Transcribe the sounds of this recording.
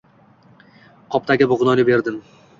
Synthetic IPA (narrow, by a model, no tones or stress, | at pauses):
qʰɒp̚t̪ʰaɡʲɪbʊʁnɒnɪbe̞ɾd̪ɪm